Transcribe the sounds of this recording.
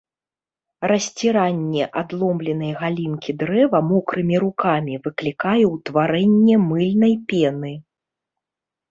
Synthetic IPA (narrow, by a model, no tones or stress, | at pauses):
rɐsʲt͡sʲiɾanʲːɛʔad̪lˠɔmblʲɛn̪ɐjɣalʲinkʲid̪ɾɛvɐmɔkɾɨmʲiɾukamʲivɨklʲikajɛwt̪vaɾɛnʲːɛmɨlʲnɐjpʲɛnɨ